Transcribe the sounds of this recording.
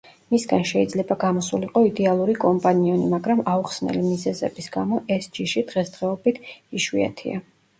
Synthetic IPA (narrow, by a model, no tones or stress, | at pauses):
misɡanʃɛid̪zlɛbaɡamɔsuliqʼɔid̪ɛalˠuɾikʼɔmpʼaniɔnimaɡɾamauχsnɛ̰limizɛzɛ̰bisɡamɔʔɛsd͡ʒiʃid̪̥ʁɛsd̪ʁɛɔbit̪ʰiʃwḭa̰t̪ʰḭa